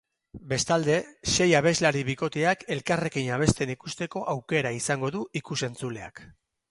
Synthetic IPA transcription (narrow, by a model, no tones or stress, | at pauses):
be̞st̪ald̪e̞ʃe̞jaβ̞e̞zlaɾiβiko̞t̪eake̞lkare̞kiɲaβ̞e̞st̪e̞nikust̪e̞ko̞ʔawke̞ɾaisaŋɡo̞ðuʔikuse̞nt͡sule̞a̰k